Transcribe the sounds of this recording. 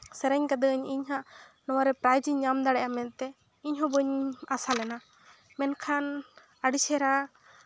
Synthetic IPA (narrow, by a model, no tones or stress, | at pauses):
sɛɾɛɲkad̪əəɲiɲɦãʔnɔwaɾɛpɾajd͡ʒiɲamd̪aɽɛʔamɛnt̪ɛ | iɲɦɔ̃bəɲasalɛna | mɛnkʰan | əɖisɛɾa